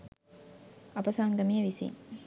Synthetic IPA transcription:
ɐpɐsaːŋɡ̪ɐmijəʋisḭn

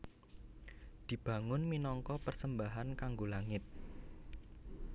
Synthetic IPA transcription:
d̪̥i̤b̥ä̤ŋʊnminɔŋkɔpərsəmbaɦankaŋɡolaŋɪt̪̚

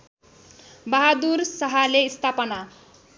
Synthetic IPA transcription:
bʌɦad̪ursʌɦaleist̪ʰapʌna

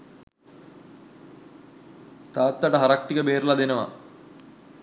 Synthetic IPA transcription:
t̪aːt̪ːaʈəɦaɾak̚ʈːikəbeːɾlad̪enəʋa̰

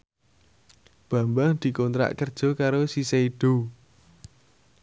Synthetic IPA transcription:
b̥ä̤mbaŋd̪̥i̤kɔnt̪ɾa̰ʔkərd̥ʒ̥ɔ̤kaɾosiseiɖ̥o̤

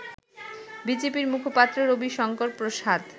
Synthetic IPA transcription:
bid͡ʑepiɾmukʰopat̪ːɾoɾobiʃɔŋkoɾpɾoʃad̪

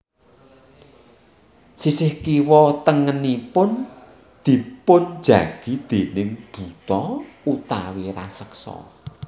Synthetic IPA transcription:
sisɪhkiwɔt̪əŋənipʊn | d̪̥i̤pʊn̥d͡ʒ̥a̰ɡ̥id̪̥enɪŋd̪̥ṳt̪ɔut̪awiɾa̰səksɔ̰

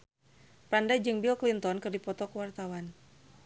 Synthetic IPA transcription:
pɾandad͡ʒɨŋbilklint̪ɔnkɨrdipɔt̪ɔkəwart̪awan

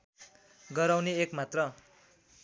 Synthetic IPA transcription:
ɡʌɾawneekmat̪rʌ

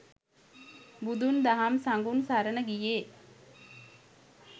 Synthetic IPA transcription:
bud̪und̪aɦamsaŋɡunsaɾənəɡijeː

